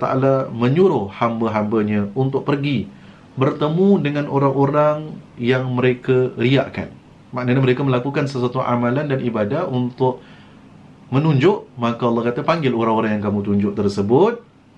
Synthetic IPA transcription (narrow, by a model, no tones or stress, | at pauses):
t̪a̰ʔa̰lamə̃ɲuɾʊhhambəɦambəɲãunt̪ʊʔ̚pərɡi | bərt̪əmũdəŋãnʔoɾaŋoɾaŋjaŋməɾekaɾia̰ʔka̰n | maʔnəɲaməɾekaməlakukansəsuat̪uʔa̰mãlandanʔibadahunt̪ʊʔ̚ | mənuɲd͡ʒʊʔmãkaɑlˠˤːɑhkat̪apaŋɡɪloɾaŋoɾaŋjaŋkamũt̪uɲd͡ʒʊʔt̪ərsəbʊt̪̚